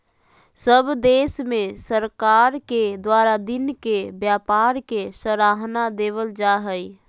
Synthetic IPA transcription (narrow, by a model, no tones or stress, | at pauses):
səbd̪eːsmẽsəɾkaːɾked̪waːɾad̪ɪnkebjaːpaːɾkesəɾaːɦnad̪eːʋəld͡ʒaɦəi